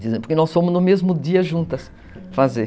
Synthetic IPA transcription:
d̪izẽpʊɾkɪnɔ̃sõmʊznʊmezmʊd̪iɐʒũnt̪ɐs | faze

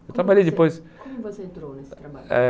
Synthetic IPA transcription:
ewt̪ɾabaʎejd͡ʒɪpojs | kõmʊvosẽt̪ɾownest̪ɾabaɛ

